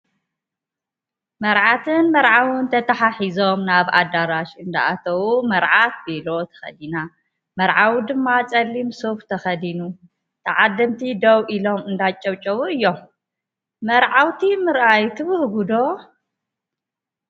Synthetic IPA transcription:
mɐɾʕat̪ʰɨnmɐɾʕawɨnt̪ʰɐt̪ʰɐħaħizo̞mnaβa̰d̪aɾaʃɨnd̪a̰at̪ʰɐwumɐɾʕat̪̚belo̞t̪ʰɐ̥xɐ̰d̪ina | mɐɾʕawd̪ɨmːat͡sʼɐlːimsoft̪ʰɐxɐd̪inu | t̪ʰɐʕad̪ːɨmt̪ʰid̪owʔilo̞mɨnd̪at͡ʃʼɐwt͡ʃʼɐwuɨjːom | mɐɾʕawt̪ʰimɨɾʔajt̪ʰɨβɨhɡud̪o̞

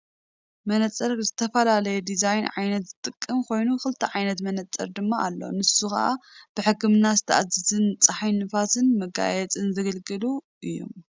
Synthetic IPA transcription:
mɐnɐt͡sʼɐɾzɨt̪ʰɐfɐlalɐjɛd̪izajnʕajnɐt̪z̥ɨt̪ʼɨkʼːɨmkʰo̞jnukɨlt̪ʰɐʕajnɐt̪mɐnɐt͡sʼːɐ̰ɾd̪ɨmːaʔalːo̞̰nɨsuxɐ̰ʔa̰b̥ɨħɨkːɨmnazɨt̪ʰɐʔazɨzɨnt͡sʼaħajnɨfat̪ɨnmɐɡa̰jɛt͡sʼɨnzɐɡɐlɡɨluʔɨjːo̰m

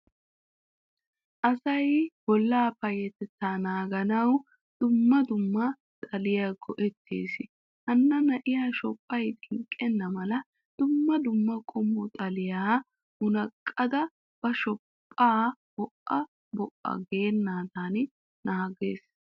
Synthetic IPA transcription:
ʔɐsɐjbɔlːaːpɐjɛt̪ɛt̪ːaːnaːɡɐnɐw | d̪̥ʊmːɐd̪ʊmːɐ | t̪ʼɐlɪjaɡɔʔɛt̪ːḛːsɪ | ʔɐnːɐnɐʔɪjaːʃɔpʼːɐjt̪ʼɪŋkʼːɛnːɐmɐlɐ | d̪̥ʊmːɐd̪ʊmːɐkʼɔmːɔt̪ʼɐlɪjaː | ʔʊnɐkʼːɐd̪ɐ | b̥ɐʃɔpʼːaːb̥ɔʔɐ | bɔʔːɐ̰ɡe̞ːnːaːt̪aːn | naːɡeːs

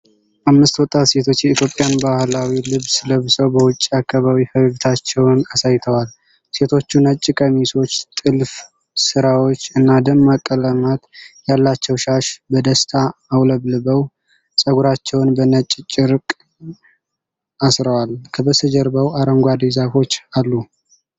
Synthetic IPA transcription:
ʔamːɨst̪wɔt̪ʼːat̪se̞t̪ʰo̞t͡ʃːjɛit̪ʰjo̞pʼːjanbahlawilɨβsɨləβɨsʼəwbəwʊt͡ʃʼːiakʰːaβawifəβt̪ʰat͡ʃːɛwnasajt̪ʰəwal | se̞t̪ʰo̞t͡ʃːunət͡ʃʼːɪkʼəmiso̞t͡ʃːt̪ʼɨlf | sɨɾawo̞t͡ʃːɨnːad̪əmːakʼːələmat̪jalːat͡ʃːɛwʃaʃbəd̪əst̪ʰaːwləβlɨbəw | sʼəɡuɾat͡ʃːɛwnbənət͡ʃʼːt͡ʃʼːɪɾkʼ | asɾəwalkʰəbəsəd͡ʒəɾbəwaɾəŋɡʷad̪ezafo̞t͡ʃːalːu

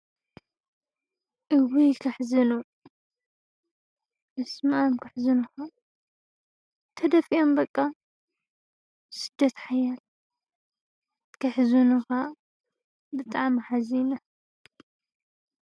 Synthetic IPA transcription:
ʔɨwijkʰɐħzɨnu | ʔɨsmaʔamkʰɨħzɨnɨxa | t̪ʰɐd̪ɐfiʔombɐkʼːa | sɨd̪ːɐt̪ħajal | kʰɐħzunɨxa | bɨt̪ʼaʕmħazinɐ

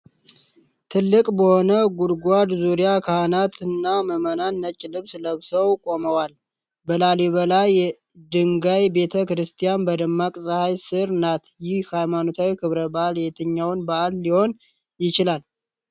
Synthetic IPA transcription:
t̪ʰɨlːɨkʼbəho̞nəɡuɾɡʷad̪zuɾijakʰahnat̪ʰɨnːaməmənanːət͡ʃʼːlɨβsləβsəwkʼo̞məwal | bəlaleβəlaj | d̪ɨŋɡajbe̞t̪ʰəkɾɨst̪ʰijanbəd̪əmːakʼsʼəhajsɨɾnat̪jɪhhajmano̞t̪ʰawikʰɨβɾəbaʔaljɛt̪ʰɨɲːawnbaʔalːiho̞n | jɪt͡ʃɪlal

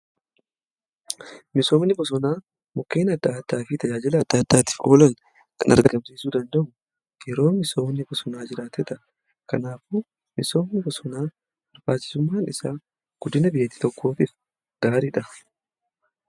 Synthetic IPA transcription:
mɪso̞ːmnɪbɔs̬ɔnaː | mʊkːe̞ːnɐt̪ːaːt̪ːaːfɪt̪ɐd͡ʒaːd͡ʒɪlɐt̪ːaːt̪ːaːt̪ɪ̥ːfo̞ːlɐn | kɐnʔɐ̰ɾɡɐɡɐmsiːsuːd̪ɐnd̪ɐʔʊ | jɛɾo̞ːmɪso̞ːmnːɪbɔsɔnaːd͡ʒɪɾaːt̪ɛt̪ɐ | kɐnaːfʊ | mɪso̞ːmnɪbɔsɔnaː | bɐɾbaːt͡ʃːɪ̥sʊmːaːnɪsaː | ɡ̥ʊd̪ɪnɐbɪjɛt̪i̥ːt̪ɔkːo̞ːt̪ɪf | ɡ̪̥aːɾɪᶑɐ

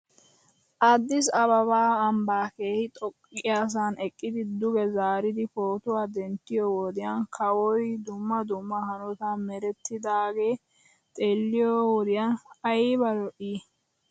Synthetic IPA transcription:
ʔɐd̪ːɪsɐbɐβaːɐmbaːke̞ːhɪt̪ʼɔkʼːɪjaːs̬anɛkʼːɪd̪ɪd̪ʊɡɛzaːɾɪd̪ɪfoːt̪ʊwaːd̪ɛnt̪ːɪjɔwɔd̪ɪjaːnkʰɐwɔjd̪ʊmːɐd̪ʊmːɐhɐnɔt̪ɐmɛɾɛt̪ːɪd̪aːɡe̞ː | t̪ʼeːlːɪjɔwɔd̪ɪjaːnɐjbɐlɔʔiː

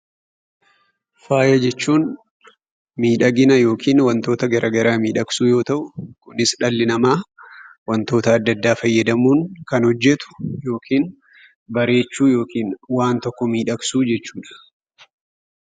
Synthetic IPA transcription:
faːjɐd͡ʒɛt͡ʃːuːn | miːᶑɐɡɪnɐjo̞ːkʰiːnwɐnt̪oːt̪ɐɡɐɾʔɐɡɐɾaːmiːᶑɐksuːjo̞ːt̪ɐʔʊkʊnɪsᶑɐlːɪnɐmaːwɐnt̪o̞ːt̪ɐːd̪ːɐd̪ːaːfɐjːɐd̪ɐmuːŋkɐnhɔd͡ʒːɛt̪ʊ̥jo̞ːkʰiːn | bɐɾe̞ːt͡ʃːuːjo̞ːkiːnwaːnt̪ɔkːɔmiːᶑɐksuːd͡ʒɛt͡ʃːuːᶑɐ̥

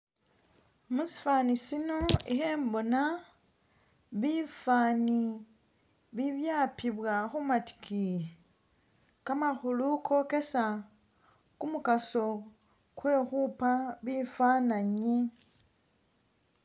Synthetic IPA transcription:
musi̥faːnisino̞ixe̞ːmbo̞na | βifaːni | βiβjaːpiβwaxumati̥kie | kamaxulukʰo̞ke̞sa | kumukaso̞ | kwe̞xupaβifaːnaɲi

